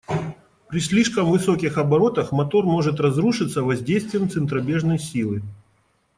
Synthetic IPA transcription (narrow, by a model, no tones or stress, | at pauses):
pɾʲɪsʲlʲiʂkəmvɨso̞kʲɪxɐbɐɾo̞t̪əxmɐt̪o̞rmo̞ʐɨt̪rɐzɾuʂɨt̪səvɐzʲdʲejst̪vʲɪjəmt̪sɨnt̪ɾɐbʲe̞ʐnəjsʲilˠɨ